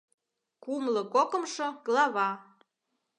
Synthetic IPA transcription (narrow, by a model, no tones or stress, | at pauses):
kumlɤ̆kokə̆mʃoɡlɑβɑ